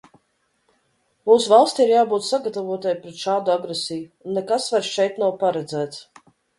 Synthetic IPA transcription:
muːsuvalˠsʲt̪ʲiɾjaːbuːt̪saɡat̪avuɔt̪ajpɾɛt̪ʃaːd̪uaɡɾesijuːnːekasvaɾsʃɛjt̪nawpaɾɛd̪zæːt̪s

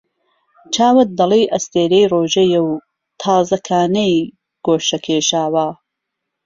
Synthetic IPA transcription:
t͡ʃʰaːwɐt̚d̪ɐlijʔɐst̪eːɾejroːʒɐjɐw | t̪ʰɑːzɐkʰaːnɐj | ɡ̥oːʃɐkʰeːʃaːwa

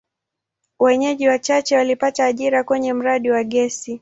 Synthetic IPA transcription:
wɛɲɛʄiwat͡ʃat͡ʃɛwalipataːʄiɾakwɛɲɛm̩ɾaɗiwaɠɛsi

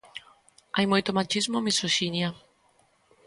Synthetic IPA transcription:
ajmujt̪omat͡ʃizmomisoʃinja

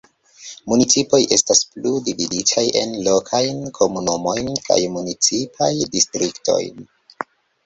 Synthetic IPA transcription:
munit͡sipo̞jʔe̞staspludividit͡ʃaje̞nlo̞kʰajnkʰo̞munumo̞jnkʰa̰jmunit͡sipʰajdistɾiktʰo̞̰jn

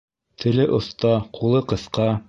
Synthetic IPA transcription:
t̪ʰɘ̆lɘʔŏθt̪ɑqʰulˠɤqɤ̆θqɑ

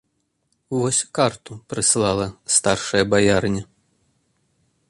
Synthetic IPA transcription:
vɔsʲkart̪upɾɨslˠalˠɐst̪arʂɐjɐbajarnʲɐ

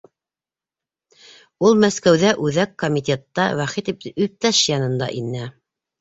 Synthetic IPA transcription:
ulˠmæskæwðæʔʉðækːomʲit̪ʲet̪ːɑwæχit̪iʉp̚t̪æʃjɑnɤ̆nd̪ɑ̰ʔinæ

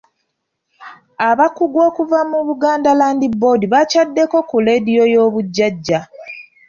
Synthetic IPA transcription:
aβakuɡwo̞ːkuvamuβuɡaːndalaːndibo̞ːdiβacadːe̞ko̞kule̞ːdijo̞jo̞ːβuɟːaɟːa

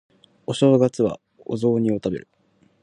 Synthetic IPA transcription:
o̞ɕo̞ːɡat͡sɨβa̰ | o̰zo̞ːɲ̟io̞t̪abe̞̰ɾɯ̟

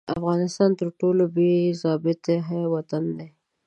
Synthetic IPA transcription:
a̰fɣɑnɪst̪ɑnt̪əɾʈolobezɑbɪt̪eɦawat̪and̪e

